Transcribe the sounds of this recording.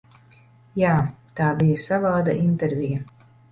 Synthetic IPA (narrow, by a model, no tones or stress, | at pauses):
jaːt̪aːbijasavaːd̪a̰ʔint̪ɛɾvʲija